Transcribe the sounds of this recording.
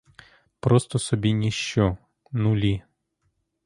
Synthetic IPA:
pɾɔst̪ɔsɔbʲinʲiʃt͡ʃɔ | nulʲi

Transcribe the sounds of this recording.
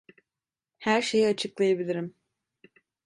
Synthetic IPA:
hæɾʃejiat͡ʃʰɯklˠajabilʲiɾim

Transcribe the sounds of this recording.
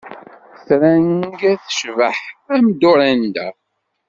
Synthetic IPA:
θɾænɡæθə̥ʃvəħæmd̪ʊɾænd̪æ̰

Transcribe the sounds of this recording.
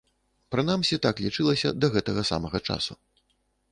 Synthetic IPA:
pɾɨnamsʲit̪aklʲit͡ʂɨlˠɐsʲɐ̰d̪ɐɣɛt̪ɐɣɐsa̰mɐɣɐt͡ʂa̰sṵ

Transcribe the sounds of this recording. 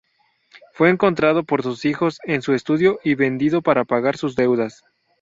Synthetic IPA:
fwe̞ːŋko̞nt̪ɾað̞o̞po̞ɾsusixo̞se̞nsue̞st̪uðjo̞ʔiβe̞nd̪iðo̞paɾapaɣaɾsuzðe̞wðas

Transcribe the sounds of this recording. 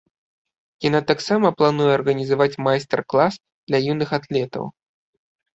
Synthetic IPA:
janat̪aksamɐplˠanujɛɐrɣɐnʲizavat͡sʲmajst̪ɛrklˠas | d̪̥lʲɐjinɨxat̪lʲɛt̪ɐ̰w

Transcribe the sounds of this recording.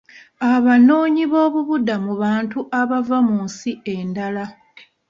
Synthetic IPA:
aβano̞ːɲiβo̞ːβuβudːamuβaːntuʔaβavamuːnsie̞ndala

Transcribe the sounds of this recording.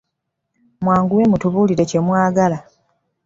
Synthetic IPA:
mwaːŋɡuwe̞mutuβuːliɾe̞cemwaːɡala

